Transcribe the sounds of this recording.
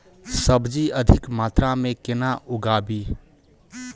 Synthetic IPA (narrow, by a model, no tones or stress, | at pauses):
səbd͡ʒiʔəd̪ʱɪkmaːt̪ɾamẽkɪnaʔʊɡaːbi